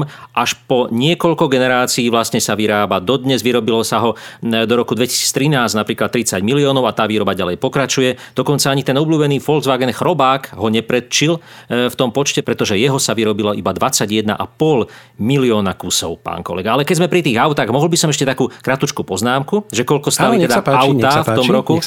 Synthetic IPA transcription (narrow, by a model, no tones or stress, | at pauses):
mʔaʃpɔɲɪɛkɔʎkɔɡɛnɛɾaːt͡siːʋlast̪ɲɛsaʋiɾaːbad̪ɔd̪ɲɛzʋiɾɔbilɔsaɦɔd̪ɔɾɔkud̪ʋɛci̥siːt͡st̪ɾinaːz̥napɾiːklat̪ːɾit͡saɟmiliɔːnɔʊat̪aːʋiːɾɔbaɟalɛjpɔkɾat͡ʃujɛd̪ɔkɔnt͡saaɲit̪ɛnɔbluːbɛniːfɔlɡzʋaɡɛnxɾɔbaːkɦɔɲɛpɾɛt̪t͡ʃilft̪ɔmpɔt͡ʃcɛpɾɛt̪ɔʒɛjɛɦɔsaʋiɾɔbilɔʔibad̪ʋat͡saɟjɛd̪na̰ʔa̰pɔl | miliɔːnakusɔʊpa̰ːnkɔ̰lɛ̰ɡaalɛkɛɟzmɛpɾit̪iːɣaʊt̪aːɣmɔɦɔlbisɔmɛʃ̬cɛt̪akuːkɾat̪ut͡ʃkupɔznaːmkuʒɛkɔʎkɔst̪aliɛd̪aaʊt̪aft̪ɔmɾɔku